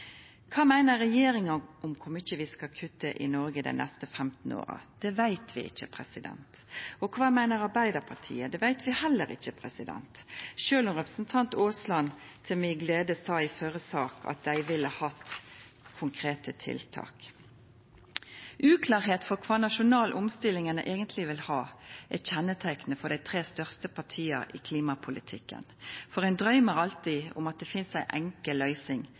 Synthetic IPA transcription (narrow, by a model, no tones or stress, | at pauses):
kʰɑːmæɪnəɾɛjeːɾɪŋɑʔʊmkʰʊmɪt͡ʃːəʋɪskɑkʰʉt̪ːəʔɪ̰nɔɾɡəd̪æ̰ɪnʔɛst̪əfɛmt̪n̩o̰ːɾə̰d̪̥ɛʋæɪt̪ʰʋɪ̰ʔɪ̰çːəpʰɾɛsɪd̪ɛ̰nt̪ | ɔkʰʋɑːmæɪnəɾɑɾbæɪd̪əpʰɑt̪ʰḭːəd̪ɛʋæɪt̪ʋɪhɛlːəɾɪ̰çːəpʰɾɛsɪd̪ɛ̰nt̪ʃøːlʊnʁɛpɾə̥sn̩t̪ʰɑnt̪oːslɑn | t̪ʰɪlmɪɡleːd̪əsɑːɪføɾəsɑːkʰɑ̰t̪̚d̪æɪʋɪlːəhɑt̪ | kʰʊŋkʰʁeːt̪ʰət̪ʰɪ̰lt̪ʰɑ̰ːk | ʔʉːkʰlɑːʁɦeːt̪fɔʁkʰʋɑːnɑʃʊnɑːlʔʊmst̪ɪlɪŋənəʔeːɡənt̪ʰlɪʋɪlhɑːʔɛçɛnːət̪ʰæɪknəfɔd̪æɪt̪ʰʁeːst̪œʁst̪əpʰɑʈʰiːə̰ḭːkʰliːmɑpʰʊlɪt̪ʰɪkːə̰nfɔʁæɪnd̪ɾœʏməʁɑlt̪iʊ̰mɑt̪̚d̪ɛfɪnsæɪʔɛŋkəlœʏsɪŋ